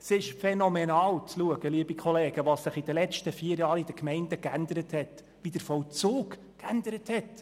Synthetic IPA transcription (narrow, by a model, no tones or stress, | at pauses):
sɪʃfɛnɔmɛnɑːlt͡sluəɡ̥əliəbikʰɔleːɡ̥əʋɑssɪχid̥̪əlɛt͡ʃtəfiːəɾjɑːɾid̥əkmɛɪndəkænd̪əɾəthɛt | ʋid̥əɾfɔwt͡suːk | kænd̪əɾəthɛt